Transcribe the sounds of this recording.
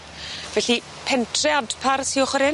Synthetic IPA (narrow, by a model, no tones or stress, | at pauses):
vɛɬi | pʰɛntʰrɛadpʰarsiɔχwəɾɪ